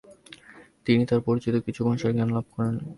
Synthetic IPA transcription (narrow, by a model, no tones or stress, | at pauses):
t̪init̪aɾpoɾit͡ɕit̪okit͡ɕʰubʱaʃaɾɡanlab̚ʱkɔɾen